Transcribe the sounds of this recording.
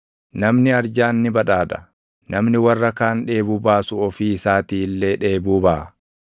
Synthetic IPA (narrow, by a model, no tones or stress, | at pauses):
nɐmnɪɐɾd͡ʒaːnːɪbɐᶑaːᶑ̪ɐ̥ | nɐmnɪwɐrːɐkaːnᶑe̞ːbʊbaːsʊɔfiːɪsaːt̪iːlːe̞ːᶑe̞ːbuːbaː